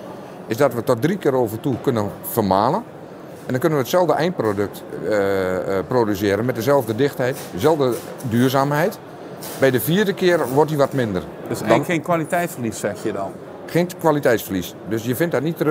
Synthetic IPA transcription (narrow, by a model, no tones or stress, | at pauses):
ɪsdɔtʋətɔt̚drikɪːɾoːvərtukønən | fərmaːlən | ɛndɔnkønənʋəətsɛlˠvdəʔɛjnprodøk̚t | proːdysɪəɾənmɛt̚dəzɛlˠvdədɪxthɛjtəzɛlˠvdə | dyːrzaːmɦɛjt | bɛjdəfiːərdəkɪːərʋɔrtiʋɔtmɪndə̰r | sdɔnenkʋalitɛjtsfərlissɛxjədɔn | xeːnkʋalitɛjtsfərlis | døsjəfɪnt̚dɔtnitər